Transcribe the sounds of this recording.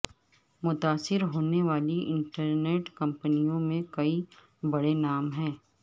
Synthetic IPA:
mʊt̪aːsɪɾɦoːneʋaːliʔɪ̃ɳʈəɾneːʈkɐ̃mpənijõmẽkɐi | bɐɽenaːmɦɛ̃ː

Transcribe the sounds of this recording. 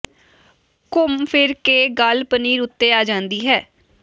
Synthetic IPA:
kʊmpʰɪɾkeːɡəlpəniːɾʊt̪ːeːaːd͡ʒãːnd̪iːɦɛː

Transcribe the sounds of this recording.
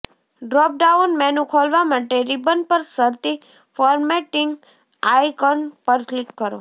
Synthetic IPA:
ɖɾɔp̚ɖaunmɛnũkʰolʋamaʈeɾibənpəɾsəɾt̪i | fɔɾmeʈɪŋɡ | ajkɔnpəɾklikːəɾo̰

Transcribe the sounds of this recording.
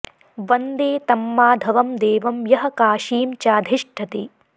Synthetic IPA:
ʋɐnd̪eːt̪ɐmːaːd̪ʱɐʋɐmd̪eːʋɐmjɐɦɐ̆kaːʃiːmt͡ʃaːd̪ʱiʂʈʰɐt̪i

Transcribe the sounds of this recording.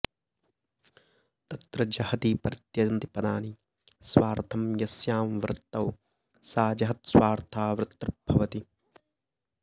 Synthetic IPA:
t̪ɐt̪ɾɐd͡ʒɐhɐt̪iːpɐɾit̪jɐɐnt̪ipɐd̪aːni | swaːɾt̪ʰɐmjɐsjaːmʋɾɨt̪ːɐw | saːd͡ʒɐɦɐt̪sʋaːɾt̪ʰaːʋɾɨt̪ːɾbʱɐʋɐt̪i

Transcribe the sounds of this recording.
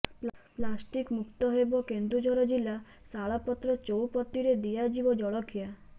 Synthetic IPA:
plasʈikmukt̪ɔɦebɔkend̪ɾud͡ʒɔɾɔd͡ʒila | saɭapɔt̪ɾɔt͡ʃowpɔt̪ːiɾed̪iad͡ʒibɔd͡ʒɔɭɔkʰija

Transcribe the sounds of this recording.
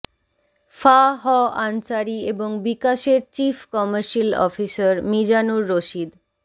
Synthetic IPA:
faɦɔʔansaɾieboŋbikaʃeɾt͡ɕifkɔməɾʃilɔ̰fisaɾmid͡ʑanuɾːoʃid̪

